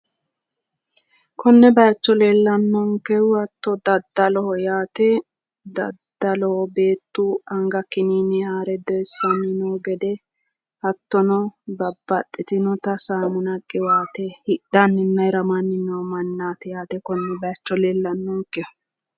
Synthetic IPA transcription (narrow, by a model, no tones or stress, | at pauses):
kɔnːɛbɐjɐt͡ʃːɔleːlːɐnːɔŋkɛʊɐt̪ːɔd̪ɐd̪ːɐlɔhɔjaːt̪ɛ | d̪ɐd̪ɐlɔhɔbeːt̪ːuɐŋɡɐkːɪniːnɛhaːɾɛd̪ɔɛsːɐnɪnɔɡɛd̪ɛ | ɐt̪ːɔnɔbɐbːɐt̪ʼːɪt̪ɪnɔt̪ɐsaːmʊnɐkʼːɪwaːt̪ɛhɪdanːɪnːɐjɾɐmanːɪnɔmɐnːaːt̪ɛjaːt̪ɛkɔnːɛbɐjɐt͡ʃːɔleːlːɐnːɔŋkɛʊ̥